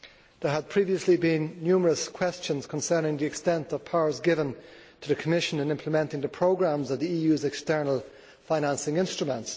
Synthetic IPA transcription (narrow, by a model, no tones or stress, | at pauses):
ðə˞əd̚pʰɹ̥iviəslibĩnːjʉːməɹəskʰw̥ɛst͡ʃə̃nz̥kʰə̃nsɜ˞nɪ̃ŋðiɨkstɛ̃ntʌv̥pʰaʊə˞zɡɪvə̃ntʰəðəkʰəmɪʃə̃nɪ̃nɪ̃mpʰləmɛ̃ntɪ̃ŋðəpʰɹ̥oʊɡɹãmzəvðiiːjʉzɛkstɜ˞nəlˠ | faɪ̃næ̃nsɪ̃ŋɪ̃nstɹ̥əmə̃nts